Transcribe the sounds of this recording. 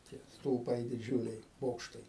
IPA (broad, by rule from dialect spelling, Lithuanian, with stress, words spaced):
tʲiɛ stʊlˠˈpɐɪ dʲɪˈd͡ʒʲʊlʲɛɪ ˈboːkʃtɐɪ